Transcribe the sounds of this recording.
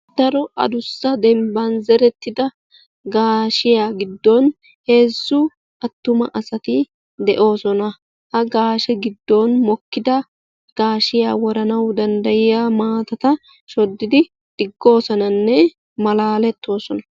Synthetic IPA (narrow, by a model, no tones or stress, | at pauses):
d̪̥ɐɾɔʔɐ̰d̪ʊsːɐd̪ɛmbɐnzɛɾɛt̪ːɪd̪ɐ | ɡaːʃɪjaːɡɪd̪ːɔn | he̞ːzːʊ | ɐt̪ːʊmɐʔɐsɐt̪ɪ | d̪ɛʔo̞ːsɔnɐ | hɐɡaːʃɛɡɪd̪ːonmɔkːɪd̪ɐ | ɡ̥aːʃɪjaːwɔɾɐnɐwd̪ɐnd̪ɐjɪjaːmaːt̪ɐt̪ɐ | ʃɔd̪ːɪd̪ɪ | d̪̥ɪɡːo̞ːsɔnɐnːɛ | mɐlaːlɛt̪ːo̞ːsɔnɐ